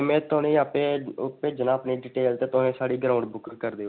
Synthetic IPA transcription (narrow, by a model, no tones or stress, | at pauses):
mɛ̃ːt̪oːnĩːaːpeːʊpːeːd͡ʒənãːəpniːɖiːʈeːlt̪eːt̪ʊẽːsaːɽiːɡɾaːʊɳɖbʊkːkəɾd̪eːo